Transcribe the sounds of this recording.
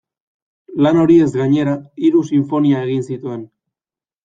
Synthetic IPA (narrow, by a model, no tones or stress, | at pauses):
lano̞ɾie̞zɡaɲe̞ɾaiɾusiɱfo̞niae̞ɣinsit̪ue̞n